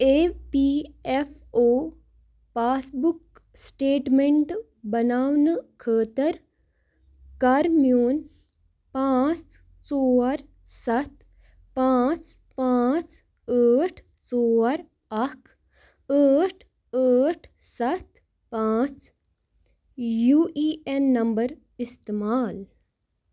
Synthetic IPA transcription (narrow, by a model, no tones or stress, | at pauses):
epiefoː | paːsbuk | sʈeːʈmeɳʈ | bɐnaːʋnəkʰəːt̪əɾ | kaːɾmijoːn | pãːt͡s | t͡soːɐɾ | sɐt̪ | pãːt͡ʃpãːt͡ʃ | əːʈʰ | t͡sɔːɾ | ɐkʰ | əːʈʰ | əːʈʰsɐt̪ | pãːt͡ʃ | juːʔiːenːɐmbɐɾ | ɪst̪emaːl